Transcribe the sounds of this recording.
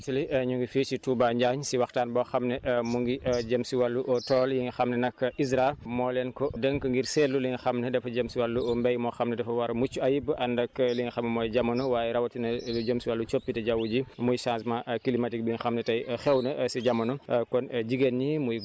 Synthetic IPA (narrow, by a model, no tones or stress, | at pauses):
tuliɲuŋɡifiːt͡ʃituːbaɲɟaːɲsiwɐxtaːnbɔxɐmnɐʔmuŋɡiʔɟɐmsiwalːuʔɔtɔːljiŋɡixɐmnɐnɐkːʔisɾamɔːlɛnkɔdəŋkŋɡiɾsɛlːuliŋɡixɐmnɐdɛfɐɟɐmsiwalːuɔmbɛjmɔxɐmnɐdɛfɐwɐɾɐmut͡ʃːuɐjibʔɐndɐkliŋɡixɐmnɐmɔːjɟɐmɐnuwaːjɛɾɐwɐtinɐluɟəmsiwalːut͡ʃopːitɐɟawuɟimujsãnsmaʔkilimatik̚biŋixɐmnɐtɐjxɛwnɐsiɟɐmːɐnukɔnɟiɡenɲimuj